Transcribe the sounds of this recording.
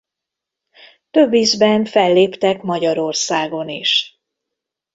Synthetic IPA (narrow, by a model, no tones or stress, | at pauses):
t̪ø̞bːizbɛɱfɛlːeːpt̪ɛkmɒɟɒɾo̞rsaːɡo̞niʃ